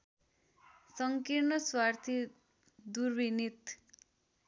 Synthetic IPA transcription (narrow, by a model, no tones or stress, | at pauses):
sʌŋkiɾnʌswart̪ʰi | d̪urbinit̪